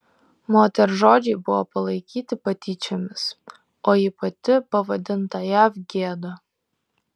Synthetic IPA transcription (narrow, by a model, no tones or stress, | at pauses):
moːt̪ʲɛɾʒoːd͡ʒʲɛɪbʊʋopɐlˠɐɪkʲiːt̪ʲɪpɐt̪ʲiːt͡ʃʲɛmʲɪs | oːipɐt̪ʲɪpɐʋɐd̪ʲɪnt̪ɐjæːfɡʲeːd̪ɐ